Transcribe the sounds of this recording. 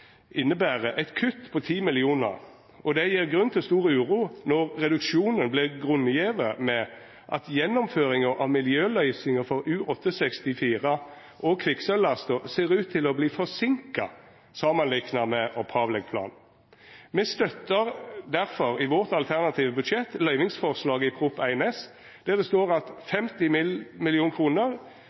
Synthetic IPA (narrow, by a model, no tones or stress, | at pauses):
ʔɪnːəbæːʁəʔɛɪt̪kʰʉt̪ːpʰɔt̪ʰiːmɪlɪuːnə̰ʁ | ɔd̪ɛjiːʁɡʁʉnt̪ʰɪlst̪uːʁəʉːʁuːnɔʁʁɛd̪ʉkʃuːnənblɪʁɡʁʉnːjeːʋəmɛ | ʔɑ̰t̪jɛnːɔmføːʁɪŋəʁʔɑ̰ʋmɪljøːlœʏsɪŋəfɔʁʉːʔɔt̪ːəsɛkst̪ɪfiːʁə | ʔɔkʰʋɪksœlːɑst̪ɔseːʁʉːt̪ʰːɪlɔbliːfɔsɪŋkɑ | sɑːmɑnlɪknɑmɛʔɔpʰɑːʋlɛɡ̚pʰlɑ̰ːn | mɛst̪œt̪ːəʁd̪æʁfɔɾɪʋɔʁt̪ɑlt̪ʰæʁnɑt̪ʰiːʋəbʉd̪ʃɛt̪ːlœʏʋɪŋsfɔʁslɑːɡɪpʰʁʊpæɪɛnɛs | d̪̥ɛʁd̪ɛst̪oːʁɑt̪fɛmt̪ɪmɪmɪlɪuːnkʰʁuːnəʁ